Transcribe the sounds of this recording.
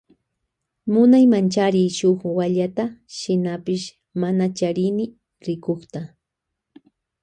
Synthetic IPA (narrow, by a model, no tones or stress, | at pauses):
mʊnajmant͡ʃaɾɪʃoχwaʎat̪aʃɪnapɪʃ | manat͡ʃaɾɪnɪ | ɾɪkoχt̪a